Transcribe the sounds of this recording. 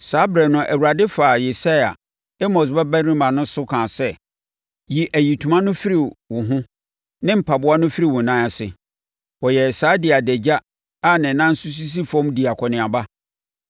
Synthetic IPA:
saː˨˦bɾɛ˨nʊ̃˨ʔæ˨wu˨ɾa˨dɪ˦fa˨je˨sa˦ja̰˨ | ɛ˦mɔ̃˨s̬bɛ˦bɛ˦ɾĩ˦mã˨nʊ̃˦sʊ˦kʰã˨sɛ˦ | ji˨ʔæ˨ji˨tʰu˨mã˦nʊ̃˦fi˦ɾi˨wʊ̃˨ɦʊ̃˦ | nɪ̃˦m̩˨pʰa˨bʊ˦a˦nʊ̃˦fi˦ɾi˦˨wʊ̃˨nã˦ɛ˨sɪ̰˨ | wɔ˨jɛ˨saː˦dɪ˨a˨dɛ˨d͡ʑa˦ | a˦nɪ̃˨nã˦n̩˦su˦s̬i˦s̬i˦fɔ̃˦mdi˨a˨kʰɔ˨nɪ̃˨a˨ba˦

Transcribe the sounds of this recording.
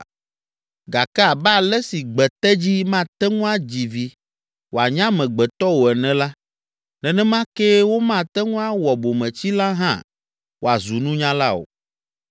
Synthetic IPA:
ɡa˨kɛ˦a˨bɛ˦a˨lɛ˦si˨ɡ͡bɛ˨t̪ɛ˦d͡ʑi˦mã˦t̪ɛ˦ŋũ˦a˦d͡ʑi˨vi˨ | wo˨a˨ɲã˦mɛ̃˨ɡ͡bɛ˨t̪ɔ˦wo˨ɛ˨nɛ̃˨la˦ | nɛ̃˨nɛ̃˦mã˦ke˦wo˦mã˦˨t̪ɛ˦ŋũ˦a˦wɔ˨bo˨mɛ̃˨t͡ɕi˦la˦ɦã̰˦ | wo˨a˨zu˨nũ˦ɲã˦la̰˦o̰˨

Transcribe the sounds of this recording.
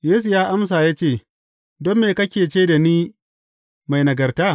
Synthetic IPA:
jeː˦s̬u˨jaː˦ʔa˦ms̬aː˨jaː˦t͡ʃeː˦˨ | dɔ˦mːeː˨kɐ˦kʲeː˨t͡ʃe˦da˨niː˦ | ma˨jnɐ˨ɡɐ˨rtaː˦

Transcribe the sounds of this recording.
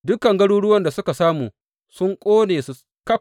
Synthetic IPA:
dʊ˦kːɐ˨ŋɡɐ˦ɽuː˦ɽʊ˦wɐ˦nda˨sʊ˦ka˨saː˦muː˨ | sʊ˦ŋkʷʼoː˦neː˨su˨ | kɐ˦

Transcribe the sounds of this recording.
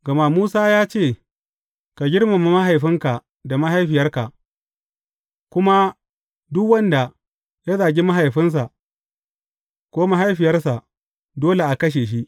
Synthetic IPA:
ɡɐ˨ma˦muː˦saː˦jaː˦t͡ʃeː˦˨ | ka˨ɡʲɪ˦ɽma˨ma˦˨ma˦ɦa˨jɸɪ˦ŋka˨ | da˨ma˦ɦa˦jɸɪ˨jɐ˦rka˨ʔ | kʷʊ˦ma˦ | dʊ˦kwɐ˦nda˨ | ja˦zaː˨ɡʲi˦ma˦ɦa˨jɸɪ˦ns̬a˨ʔ | kʷoː˦ma˦ɦa˦jɸɪ˨jɐ˦rsa˨ | doː˦le˨ʔa˨kɐ˦ʃ̬eː˨ʃ̬i˦ʔ

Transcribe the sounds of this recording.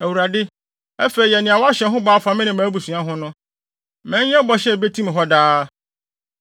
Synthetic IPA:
æ˨wu˨ɾa˨dɪ˦ | ɛ˦fe˨i˨jɛ˨nɪ̃˨a˨wɔ˦a˦ɕɛ˨ɦʊ̃˦ba˨˦a˦fa˨mɪ̃˦nɪ̃˨mãː˨˦bu˨su˨ã˦ɦʊ̃˦nʊ̃˦ | mɛ̃˨˦ɲ˦ɛ̃˦bɔ˦ɕɛ˦˨be˦tʰĩ˦m̃˨ɦɔ˦daː˦

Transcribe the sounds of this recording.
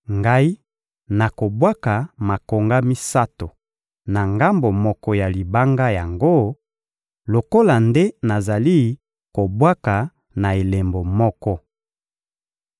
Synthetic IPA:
ŋɡa˦i˦ | na˨ko˨bwa˦ka˨ma˨ko˨ŋɡa˦mi˦sa˦to˨ | na˨ŋɡa˦mbo˨mɔ˦kɔ˦ja˨li˨ba˦ŋɡa˦ja˨ŋɡo˦ | lo˨ko˦la˨nde˦na˨za˨li˦ | ko˨bwa˦ka˨ | na˨e˨le˨mbo˨mɔ˦kɔ˦

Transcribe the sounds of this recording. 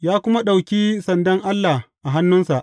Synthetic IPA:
jaː˦kʷʊ˦ma˦ɗa˨wkʲiː˦sɐ˨ndɐ˦ŋʔa˦lːa˨ʔa˨ɦa˦nːʊ˦nsa˨ʔ

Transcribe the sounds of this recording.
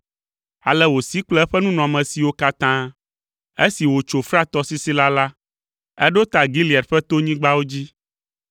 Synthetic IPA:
a˨lɛ˨wo˨si˦k͡plɛ˦ɛ˦ɸɛ˦nũ˦nɔ̃˨a˨mɛ̃˨si˨wo˦ka˦t̪ã˦ | e˦si˨wo˨t͡ʃo˨fɾa˦t̪ɔ˦si˦si˦la˦la˦ | ɛ˦ɖo˦t̪a˨ɡi˦li˨a˨ɖɸɛ˦t̪o˦ɲĩ˦ɡ͡ba˦wo˦d͡ʑi˦

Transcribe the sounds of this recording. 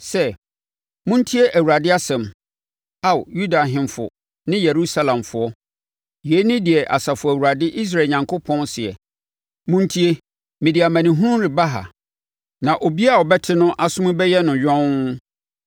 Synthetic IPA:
sɛ˦ | mʊ̃˦n̩˦tʰi˦e˦ʔæ˨wu˨ɾa˨dɪ˦a˦sɛ̃˨m | a˦˨wju˦da˨ɦɪ̃˨mfʊ̰˨ | nɪ̃˦je˨ɾu˦sa˦lã˨mfʊ˨˦ɔ˦ | je˨˦nɪ̃˦dɪ˨ɛ˨ʔa˨sa˨fʊ˨æ˨wu˨a˨dɪ˦ʔi˦s̬ɾa˨ɲã˨ŋkʰo˦pʰɔ̃˦nsɪ˨ɛ̰˨ | mʊ̃˦n˦tʰi˦e˦ | mɪ̃˨di˨a˨mã˨nɪ̃˨ɦũ˦ɾʊ̃˦ɾɪ˨ba˦ɦa̰˨ | nã˨ʔo˨bi˦a˦˨wɔ˨bɛ˦tʰɪ˦nʊ̃˦ʔa˨sʊ̃˦mʊ̃˦bɛ˦jɛ˦nʊ̃˨ɥᶣɔ̃˦

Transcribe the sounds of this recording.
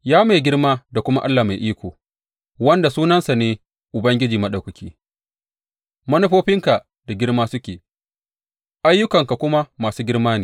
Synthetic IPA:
jaː˦me˨ɡʲɪ˦rmaː˦da˨kʷʊ˦ma̰˦ʔa˦lːaː˨ma˨jʔiː˦kʷoː˨ | wɐ˦nda˨suː˦nɐ˦nsa˨neː˦ | ʔʊ˨bɐ˦ŋɡʲɪ˦d͡ʒiː˨mɐ˦ɗa˨kʊ˨kʲʰiː˦ | mɐ˦nʊ˦ɸoː˦ɸɪ˦ŋka˨ | da˨ɡʲɪ˦ɽmaː˦sʊ˦kʲeː˨ | ʔa˦jːʊ˦kɐ˨ŋka˨kʷʊ˦ma˦maː˨suː˦ɡʲɪ˦rmaː˦neː˨

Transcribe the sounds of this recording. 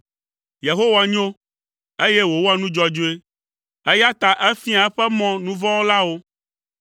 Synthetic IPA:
je˨ɦo˦wa˨ɲĩ˦o˦ | e˦je˦wo˨wo˦a˨nũ˦d͡ʒɔ˦d͡ʒo˦e˦ | e˦ja˦t̪a˨ʔɛ˦fi˦a˨ɛ˦ɸɛ˦mɔ̃˨nũ˦vɔ̃˦wo˦la˦wo˦

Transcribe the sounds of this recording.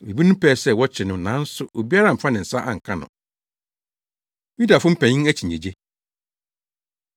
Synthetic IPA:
mi˨bi˦nʊ̃˦pʰɛː˦˨sɛ˦˨wɔ˦t͡ɕʰɪ˨nʊ̃˨nã˨˦n̩˦sʊ˦ʔo˨bi˦a˦ɾã˨m̩˨fã˦nɪ̃˨n̩˨sa˦ʔã̰˨ŋ̩˨kʰã˦nʊ̰̃˨ | mĩ˦da˨fʊ̃˦m̩˦pʰæ̃˨ɲĩ˦æ˦t͡ɕʰi˨ɲḛ̃˨d͡ʑe˦

